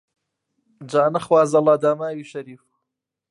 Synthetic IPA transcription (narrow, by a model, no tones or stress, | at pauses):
d͡ʒaːnɐχwaːzɐlˠaːd̪aːmaːwiːʃɐɾiːf